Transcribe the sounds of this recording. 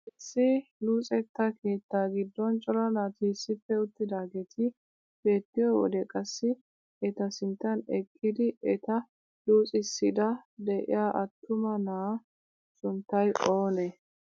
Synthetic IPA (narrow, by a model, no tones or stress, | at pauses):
ɛsːɪluːt͡sʼɛt̪ːɐke̞ːt̪ːaːɡɪd̪ːɔnt͡ʃʼɔɾɐnaːt̪isːɪfːɛʊt̪ːɪd̪aːɡeːt̪ʰɪ | b̥e̞ːt̪ːɪjɔwɔ̰d̪ɛkʼɐsːɪ | ɛt̪ɐsɪnt̪ːɐnɛkʼːɪd̪ɪɛt̪ɐ | duːt͡sʼɪsːɪd̪ɐd̪ɛʔɪ̰jaːʔɐt̪ːʊmɐnaː | sʊnt̪ːɐjʔo̞ːnɛ